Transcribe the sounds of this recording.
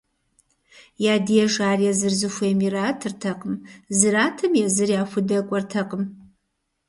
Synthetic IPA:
jaːdijɛʐaːrjazɨrzɨxʷeːmiraːtʰɨrtʰɐqʼəmzɨraːtʰɐmjɛzɨrjaːxʷʊdɐkʷʼɔrtʰɐqʼəm

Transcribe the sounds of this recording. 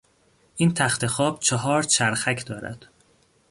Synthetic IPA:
ʔiːnt̪ʰæxt̪ʰe̞xɒːb̥̚t͡ʃʰɒɦɒːɾt͡ʃʰæɾxæcʰd̪ɒːɾæ̰d̪̥

